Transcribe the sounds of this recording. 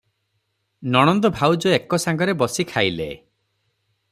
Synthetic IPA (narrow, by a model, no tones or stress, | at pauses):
nɔɽ̃ɔnd̪ɔbʱawd͡ʒɔekɔsaŋɡɔɾebɔsikʰajlḛ